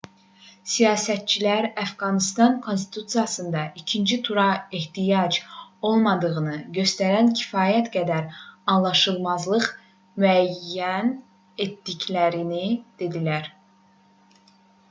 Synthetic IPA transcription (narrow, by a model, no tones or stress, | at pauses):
sijɑːsæt̪̚t͡ʃʰilæɾæfɡɑnist̪ɑnkʰo̞nst̪i̥t̪ʰut̪sijɑsɯnd̪ɑʔicʰind͡ʒit̪ʰuɾɑeht̪ijɑd͡ʒo̞lˠmɑd̪ɯʁɯnɯɟø̞st̪æɾæncʰi̥fɑːjæt̪ɡæd̪æɾɑnlˠɑʃɯlˠmɑzlˠɯʁ | myæjːæn | et̪d̪iclæɾinid̪̥e̞d̪ilæɾ